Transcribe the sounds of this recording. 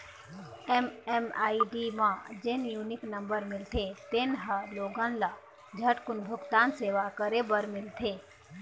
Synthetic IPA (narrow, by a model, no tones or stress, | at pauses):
ɛmɛmaːiɖimãd͡ʒenjuːnɪknə̃mbəɾmɪlt̪ʰet̪enɦaloːɡə̃nla | d͡ʒʱəʈkʊnbʱʊɡt̪aːnseːʋakəɾebəɾmɪlt̪ʰeː